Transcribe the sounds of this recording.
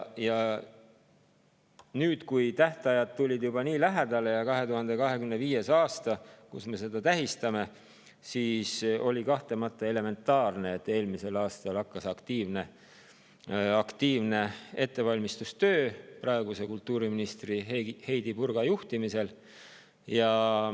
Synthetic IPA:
jɑ | nyːd̪̥kujt̪æht̪ɑjɑd̪̥̚t̪ulʲid̪̥jub̥ɑniːlæɦæd̪̥ɑle̞jɑkɑɦe̞t̪uhɑnd̪e̞kɑɦe̞kymneviːje̞sɑːst̪ɑkṵsme̞se̞d̪̥ɑt̪æɦist̪ɑme̞ | siːso̞̰lʲikɑht̪e̞mɑt̪ːˑɑe̞le̞me̞nt̪ːˑɑːrne̞et̪ːˑe̞ːlmise̞lɑːst̪ɑlɑkːɑsɑkt̪iːvne̞ | ɑkt̪iːvne̞e̞t̪ːe̞vɑlʲmist̪ust̪ø̞ːprɑe̞ɡ̥use̞kult̪ːˑuːɾiminist̪rihe̞jd̪̥ipurɡ̥ɑjuht̪imise̞l | jɑ

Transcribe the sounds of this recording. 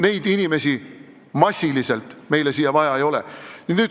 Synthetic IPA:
ne̞jd̪inʲime̞si | mɑsʲːiliselt̪ˑme̞jlesiːjɑvɑjɑejo̞lḛninnyːd̪

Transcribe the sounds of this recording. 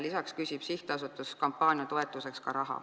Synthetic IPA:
lisɑkskysʲib̥siht̪eɑsut̪ːˑuskɑmpːˑɑːnʲjɑt̪o̞e̞t̪ːˑuse̞kskɑɾɑɦɑ̰

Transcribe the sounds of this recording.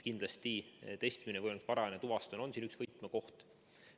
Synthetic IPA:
kind̪lɑst̪it̪e̞st̪minevɤjnkspɑɾɑɑnet̪uvɑst̪ono̞nsiːnyksv̥ɤjt̪ˑmeko̞ht̪

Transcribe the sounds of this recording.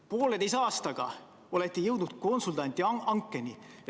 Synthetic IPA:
po̞ːled̪ejs̬ɑːst̪ɑɡ̥ɑ̰ | o̞le̞t̪ˑːijɤwd̪nut̪̚ko̞nsult̪ɑnt̪ʲːˑiɑŋkˑːe̞nʲi

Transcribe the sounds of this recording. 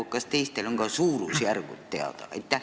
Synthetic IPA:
ukkːɑst̪eist̪eloŋɡ̥ɑsuːɾusjærɡṵt̪t̪ḛɑ̰t̪ɑ̰ḛt̪ːˑæ

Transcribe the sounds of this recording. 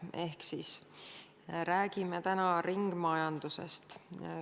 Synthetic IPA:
e̞hksis | ɾæːɡ̥imet̪ænɑɾiŋɡ̥mɑjɑnd̪̥use̞̰st̪

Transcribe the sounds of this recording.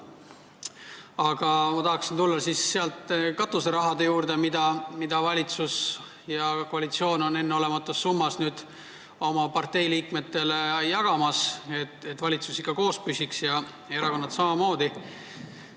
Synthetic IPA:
ɑɡ̥ɑmɑt̪ɑɦɑksint̪ulːɑsisːe̞ɑlt̪kɑt̪ːˑuseɾɑɦɑd̪e̞juːrd̪e̞mid̪̥ɑmid̪̥ɑvɑlʲit̪sus | jɑkoɑlʲit̪sio̞ːno̞ne̞nːeo̞le̞mɑt̪ːˑusːumːɑsnyːd̪̥ | o̞mɑpɑrt̪e̞jliːkme̞t̪ːe̞lejɑɡ̥ɑmɑset̪et̪ːˑvɑlʲit̪susikɑko̞ːspysʲiksjɑ | e̞ɾɑko̞nːɑt̪sɑmɑmo̞ːd̪̥i

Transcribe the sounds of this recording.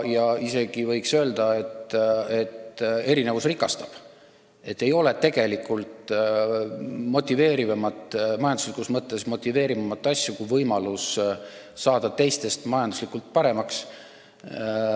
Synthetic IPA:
jɑise̞ɡ̥ivɤjksø̞ːld̪ɑe̞t̪e̞t̪e̞ɾine̞vusrikɑst̪ɑ̥b̥ | e̞t̪ːe̞jo̞le̞t̪e̞ɡ̥e̞likːult̪ | mo̞t̪ʲːˑive̞ːɾivɑmɑt̪ːˑmɑjɑnd̪u̥slikusmɤt̪ːˑe̞smo̞t̪ʲːˑive̞ːɾimɑmɑt̪ːˑɑsʲjukujvɤjmɑlusː | ɑːd̪̥ɑt̪e̞jst̪e̞st̪mɑjɑnd̪uslikːˑult̪̚pɑɾe̞mɑks

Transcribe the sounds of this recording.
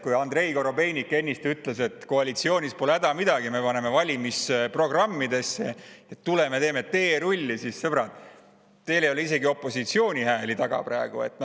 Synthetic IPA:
kujɑnd̪re̞jko̞ɾo̞be̞jnʲikːˑe̞nʲːist̪yt̪le̞se̞t̪ko̞ɑlʲit̪sio̞ːnʲispo̞leæd̪ɑmid̪ɑɡ̥ime̞pɑne̞me̞vɑlʲimisepro̞ɡ̥rɑmːid̪e̞sːeet̪ːule̞met̪eːmett̪e̞ːɾulʲːisissɤb̥ɾɑt̪ | t̪e̞ːlejo̞leis̬e̞ɡio̞pːˑo̞sit̪sio̞ːnʲiɦæːlit̪ɑɡ̥ɑ̰pɾæeɡ̥ue̞̰t̪ːˑno

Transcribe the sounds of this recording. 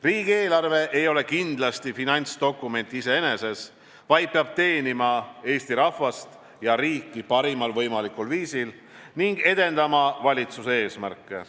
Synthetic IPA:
riːɡ̥ieːlɑrve̞ʔe̞jo̞le̞kind̪̥lɑst̪ifinɑnʲt̪sd̪̥o̞kˑːume̞nʲt̪ːˑiise̞e̞ne̞se̞s | vɑjd̪̥̚peɑb̥̚t̪e̞ːnimɑe̞ːsʲt̪iɾɑfvɑst̪ | jɑɾiːkːˑipɑɾimɑlvɤjmɑlikˑulviːsil | niŋɡ̥e̞d̪̥e̞nd̪̥ɑmɑvɑlʲit̪susee̞ːsmærkːˑe̞̰

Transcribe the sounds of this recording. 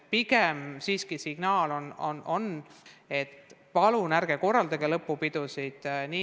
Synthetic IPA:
piɡemsiːskisiɡ̥nɑːlo̞nonʔo̞ne̞t̪ːpɑlunæɾɡ̥eko̞rːɑld̪ɑɡelɤpːupid̪̥usid̪̥niː

